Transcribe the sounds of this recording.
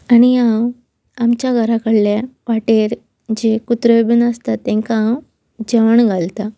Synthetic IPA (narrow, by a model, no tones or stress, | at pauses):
aɽ̃iãw | amt͡ɕjaɡʱəɾakəɽljaʋaʈeɾ | d͡ʑekut̪ɾəbənəst̪at̪ːẽŋkaãw | d͡ʑəʋəɳɡʱalt̪a